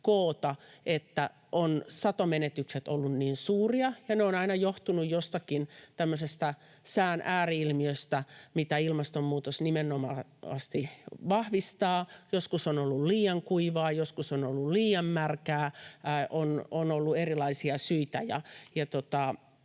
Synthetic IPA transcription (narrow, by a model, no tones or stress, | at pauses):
koːt̪ɑet̪ːæ | ʔonsɑt̪omenet̪ykset̪olːunniːnsuːriɑjɑneonɑinɑjoht̪unujjost̪ɑkint̪æmːøsest̪æ | sæːnʔæːriilmiøst̪æmit̪æilmɑst̪ommuːt̪osnimenomɑɑ̰st̪iʋɑhʋist̪ɑːjoskusonolːulliːjɑŋkuiʋɑːjoskusonolːulliːjɑmːærkæːʔononolːuerilɑisiɑsyit̪æjɑ̰jɑt̪ot̪ɑ